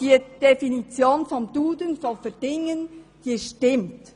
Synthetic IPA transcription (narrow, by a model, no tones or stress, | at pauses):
d̥iːd̥efinit͡sjoːnfɔmd̥uːdənfɔfɛd̥ɪŋən | hiːʃtɪmt